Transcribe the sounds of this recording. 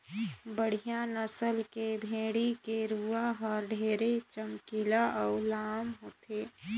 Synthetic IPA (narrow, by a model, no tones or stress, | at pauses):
bəɽ̤ijanəsəlkebʱeːɽikeɾuaɦəɾɖʱeːɾet͡ʃəmkilaʔɔʊlaːmɦoːt̪eː